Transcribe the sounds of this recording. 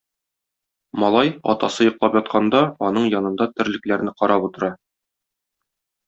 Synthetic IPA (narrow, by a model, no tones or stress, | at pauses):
mɒlˠɑjɒ̰t̪ɑsɤjŏqlˠɑpjɒt̪̚qʰɑnd̪ɑɒnɤɴjɒnɤ̆nd̪ɑt̪ɘ̆ɾlɘ̆klæɾnɘqɒɾʔɑput̪ɤ̆ɾɑ